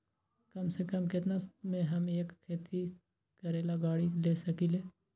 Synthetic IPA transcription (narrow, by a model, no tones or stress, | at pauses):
kɐmsekəmkɪt̪nasmẽɦɐmeːkkʰːeːt̪ʰi | kɐɾeːlaɡaːɽileːsɐkileː